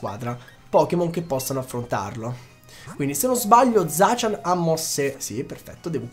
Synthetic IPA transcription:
kwa̰ːd̪ɾa | pɔːkemoŋk̟epːɔsːanoafːɾont̪a̰rlo | kwind̪isenːonzbaʎːod̪zaːt͡ʃanamːɔsːesiperfɛ̰t̪ːod̪ɛːvo

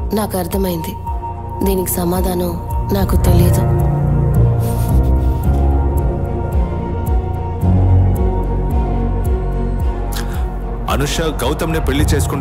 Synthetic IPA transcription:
naːkuɐɾt̪ʰɐmɐjind̪i | d̪iːniki̥sɐmaːd̪ʱaːnɐm | naːkut̪e̞lijɐd̪u | ɐ̰nuʂɐɡɐwt̪ɐmneːpeɭːit͡ʃeːsu̥kuɳ

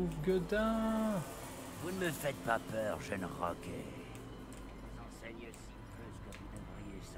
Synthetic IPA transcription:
uvɡəd̪ɛ̃ | vunəməfɛt̪̚papœːʁʒɛnʁɔ̰kḛ | dezɑ̃sɛɲəsip | øzkəvud̪ɛvʁijes

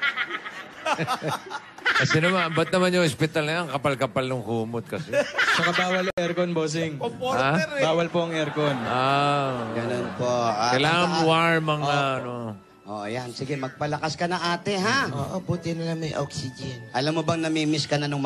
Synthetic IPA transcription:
ɐsɪnɐmaɐmbɐt̪̚nɐmanjʊŋʔospɪt̪alnɐjɐŋkɐpalkɐpalnʊŋhuːmot̪̚kɐsɛt͡ʃɐkɐbaːwɐlɐŋʔɛɾkonboːs̬ɪŋabaːwɐlpoʔɐŋɛɾkona | ɡɐnonpoakɐjlaːŋɐŋwaɹmɐŋaʔɐno | ʔo̰ːʔjansɪɡɛmɐɡ̚pɐlɐkaskɐnɐŋʔaːt̪ɛɦaʔoʔobuːt̪ɪnɐlɐŋmɐjʔoksɪd͡ʒɛnʔɐlamːobɐŋnɐmimɪskɐnɐnɐŋm

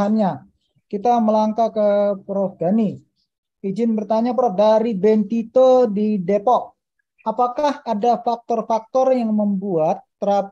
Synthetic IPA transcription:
anɲa | kit̪aməlaŋkakəpɾofɡani | id͡ʒɪnbərt̪aɲapɾɔdaɾibɛnt̪it̪odidepɔʔ | apakahadafak̚t̪ɔrfak̚t̪ɔrjaŋməmbuat̪ːəɾa

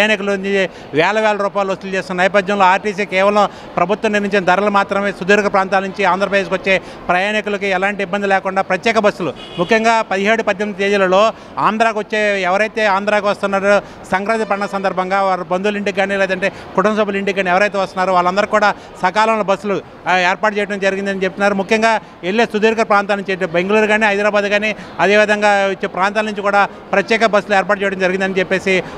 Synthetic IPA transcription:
jaːnikulɐi | ʋɛːlɐʋɛːlɐɾuːpaːjilɐst̪ult͡ʃe̞ːst̪inɐnɐjɐp̬ɐd̪jɐ̃mlo̞ːaːɾʈiːsikɛːʋɐlɐm | pɾɐbʱut̪wɐmnːiɾniɲt͡ʃinɐd̪ɐɾɐlɐmaːt̪ɾɐmeːsud̪iːɾɡɐpɾaːnt̪aːlnuɲt͡ʃiaːnd̪ɾɐpɾɐd̪eːs̬kʋɐt͡ʃːe̞ː | pɾɐjaːnikulɐk̬iɛlaːɳʈiːbːɐnd̪ilɛːkuɳɖaːpɾɐt̪jɛːkɐbɐsːulu | mukʰjɐŋɡaːpɐd̪iɦeːɽupɐd̪jɐnd̪ɐt̪eːd͡ʒulɐlo̞ː | aːnd̪ɾaːkʋɐt͡ʃːe̞ːɛʋɐɾɐjt̪e̞ːaːnd̪ɾaːkiʋɐst̪unːaːɾu | sɐŋkɾaːt̪ipɐɽɐɳɐsɐnd̪ɐɾbʱɐŋɡaːʋaːɾubɐnd̪uliɳɖiɡːaːnileːt̪̬ɐɳʈe̞ː | kuʈɐmsoːpɐliɳɖikɡːaːniɛʋɐɾɐjt̪eːʋɐst̪unːaːɾuʋaːɭːɐnd̪ɐɾukuːɽaː | sɐkaːlɐmlobɐsːulu | eːɾpaːʈt͡ʃɛːjɐʈɐmd͡ʒɐɾiɡind̪ɐnit͡ʃep̚t̪unːaːɾumukʰjɐŋɡaː | eɭːeːsud̪iːɾkɐɾpɾaːnt̪aːnuɲt͡ʃet̪ebeŋɡuluɾɡaːniɦɐjd̪ɾaːbaːd̪ɡaːniɐd̪e̞ːʋid̪ʱɐŋɡaːot͡ʃːeːpɾaːnt̪aːlnuɲt͡ʃikuːɽaː | pɾɐt̪jɛːkɐbɐsːuleːɾpaːɾʈ̚t͡ʃɛːjʈɐmd͡ʒɐɾiɡind̪ɐnit͡ʃepːe̞ːsi

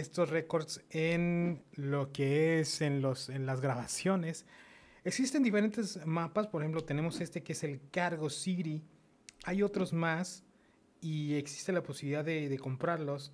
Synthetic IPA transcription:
est̪o̞sre̞ko̞ɾd̪senlo̞ke̞esenlosenlazɣɾaβasjo̞ne̞s | e̞ksist̪end̪ife̞ɾe̞nt̪e̞zmapaspoɾxe̞mp̬lot̪e̞ne̞mo̞se̞st̪e̞keese̞lkaɾɣo̞siɾi | ajo̞t̪ɾo̞zmas | ie̞ksi̥st̪elapo̞siβiliðaððe̞ðe̞ko̞mpɾaɾlo̞s

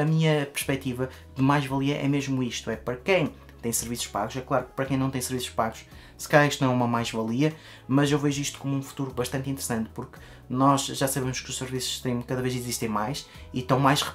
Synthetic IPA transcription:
ɐmiɲɐpɨɾʃpɛt̪ivɐ | ðɨmajʒvɐlˠiɐʔɛ̰meʒmuiʃt̪uɛpɐɾɐkɐ̃j̃ | t̪ɐ̃j̃sɨɾvisu̥ʃpa̰ɣuʃɛklˠaɾuk̚pɐɾɐkɐ̃nɐ̃t̪ẽsɨɾvisu̥ʃpaɣuʃ | sɨ̥kɐʎaɾiʃt̪ñɛumɐmajʒvɐlˠiɐ | mɐzewvɛʒuiʃt̪u̥komũfu̥t̪uɾuβɐʃt̪ɐ̃nt̪ĩnt̪ɨɾsɐ̃nt̪̚puɾk | nɔʒʒasɐβemʊʃkuʃsɨɾvisu̥ʃʃt̪ẽj̃kɐðɐveziziʃt̪ẽj̃majʃ | it̪ɐ̃w̃majʃʁɨ

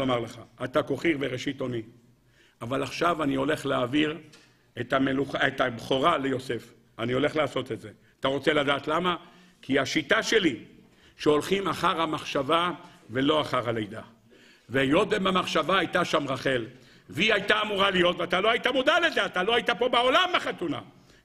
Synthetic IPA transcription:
omaʁleχa̰ːt̪ako̞χiʁveʁeʃit̪o̞ni | avalaχʃavanio̞le̞χleaviʁ | et̪ameluχaet̪abχoʁalejo̞se̞f | anio̞le̞χlaːso̞t̪etze̞ | at̪aʁo̞t͡se̞lad̪aːt̪lama | kʰiaʃit̪aʃe̞li | ʃeo̞lχimaχaʁhamaχʃavave̞lo̞aχaʁhalejd̪a | vejo̞d̪emamaχʃavaajt̪aʃamʁaχe̞l | viajt̪aːmuʁalijo̞t̪veat̪aloait̪amud̪alezeat̪aloait̪apo̞beolamaχat̪una̰

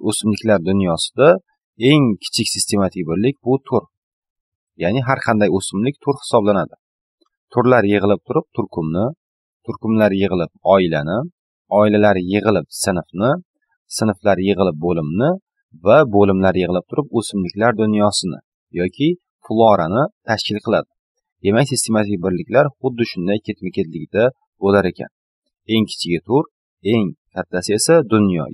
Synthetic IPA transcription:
ɵsɪmlɪkʲlaɾd̪ʊnjɒsɪ̥d̪a | e̞ŋkʲʰɪ̥t͡ʃʰɪkʲsɪst̪ʰe̞mat̪ʰɪkʲbɪɾlːɪk̚ʲbʊt̪ʰʊɾ | janɪɦaɾqʰɑnd̪ajɵsɪmlɪk̚ʲt̪ʰʊɾhɪ̥sɒblanad̪ɪ | t̪ʰʊɾlaɾjɨʁɨlˠɪp̚t̪ʰʊɾɪp̚t̪ʰʊɾkʰʊmnɪ | t̪ʰʊɾkʊmlaɾjɨʁɨlˠɪp̚ɒɪlanɪ | ɒɪlalaɾjɨʁɨlˠɪp̚sɪnfnɪ | sɪnflaɾjɨʁɨlˠɪp̚bolɪmnɪ | vabolɪmlaɾjɨʁɨlˠɪp̚t̪ʰʊɾɪp̚ɵsɪmlɪkʲlaɾd̪ʊnjɒsɪnɪ̰ | jɒkʲʰɪ | flˠɒɾanɪt̪ʰaʃkʲɪlˠqʰɨlˠad̪ɪ | d̪emakʲsist̪ʰe̞mat̪ʰɪk̚ʲbɪɾlɪkʲlaɾχʊd̪ːɪʃʊnd̪ajkʲʰe̞t̪mɪkʲʰet̪lɪɡʲd̪a | bolaɾe̞kʲʰa̰n | e̞ŋkʲʰɪ̥t͡ʃʰɪɡʲat̪ʰʊɾ | e̞ŋkʲʰat̪ʰːasɪe̞sad̪ʊnjɒ̰

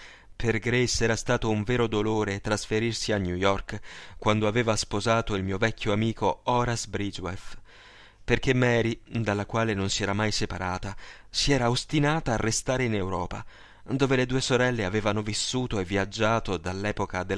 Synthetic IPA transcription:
perɡɾesɛːɾast̪aːt̪ouɱveːɾod̪oloːɾet̪ɾasfeɾirsianjujɔrkkːwand̪oaveːvaspozaːt̪oilmiːovɛkʰʲːjoamiːkoɔːɾasbɾid͡ʒwef | perkemːɛːɾid̪alːakwaːlenonsiɛːɾamajsepaɾaːt̪a | siɛːɾaost̪inaːt̪aːrːest̪aːɾeinewɾɔːpa̰ | d̪oːveled̪uːesoɾɛlːeaveːvanovisːuːt̪oevːiad͡ʒːaːt̪od̪alːɛːpokad̪e

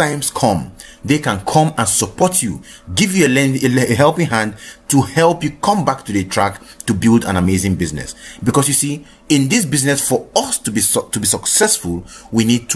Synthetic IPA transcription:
ãɪ̃mskʰɔ̃mðekãnkʰɔ̃mə̃nsəpʰɔtʰjṵɡivjuelɛ̃eɦɛlˠpĩɦãndtʰuhɛlˠpjukʰɔ̃mbak̚tʰuðətʰɹ̥a̰ktubilˠdã̰nəmeɪzɪ̃ŋbiznɛ̰sbikɔsjusi | ɪ̃nðɪsbiznɛsfɔʌstubitubisʌksɛsfulˠwinid̚tʰ

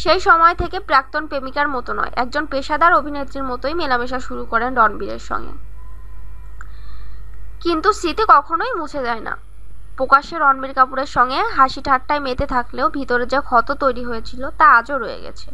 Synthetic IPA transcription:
ʃejʃɔmɔet̪ʰekepɾak̚t̪onpemikaɾmɔt̪onɔ̰eʔɛk̚d͡ʑonpeʃad̪aɾobʱinet̪ːɾiɾmɔt̪ojmelameʃaʃuɾukɔɾenɾɔnbiɾḛɾʃɔ̰ŋɡḛ | kint̪usɾit̪ikɔkʰonojmũt͡ɕʰed͡ʑaena̰ | pɾokaʃeɾɔnbiɾkapuɾeɾʃɔŋɡeɦaʃiʈʰaʈʈːaemet̪et̪ʰakleobʱit̪oɾed͡ʑakʰɔt̪ot̪ojɾiɦojet͡ɕʰilot̪aad͡ʑoɾojḛɡɛ̰t͡ɕʰe̥

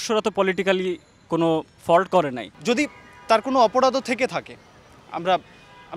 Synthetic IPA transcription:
ʃoɾat̪opɔliʈikali | kono | fɔlʈkɔɾena̰jd͡ʑod̪it̪aɾkonoɔpoɽad̪ot̪ʰeket̪ʰakḛ | a̰mɾa | a

